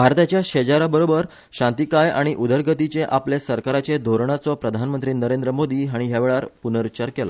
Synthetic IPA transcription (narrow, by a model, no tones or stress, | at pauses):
bʱaɾt̪at͡ɕjaɕed͡ʑaɾabəɾobəɾ | ɕãnt̪ikaja̰ɽ̃iʔud̪əɾɡʱət̪it͡seʔaplesəɾkaɾat͡ɕed̪ʱoɾɳat͡sɔpɾəd̪ʱanmənt̪ɾiːnəɾend̪ɾəmod̪iːɦaɽ̃iɦjaʋeɭaɾpunəɾut͡ɕaɾkela̰